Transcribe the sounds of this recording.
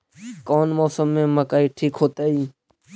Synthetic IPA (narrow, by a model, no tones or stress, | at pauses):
koːnmoːsəmːẽːmə̃kaːiːʈʰiːkɦoːt̪aːiː